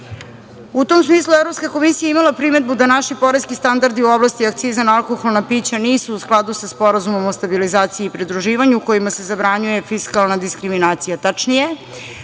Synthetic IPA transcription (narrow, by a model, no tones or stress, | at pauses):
ut̪omsmiːslˠuevɾopskako̞misijaimalapɾime̞d̪̚bud̪anaʃipo̞ɾeskist̪and̪aɾd̪iuo̞blˠast̪iakt̪sizanalˠko̞xo̞lˠnapiːt͡ɕaniːsuːsklˠad̪usaspo̞ɾazumo̞most̪abilizaːt̪siiːpɾid̪ɾuʒiːʋaɲuuko̞jimase̞zabɾaɲuje̞fiskalˠnad̪iskɾiminaːt̪sijat̪at͡ʂnije̞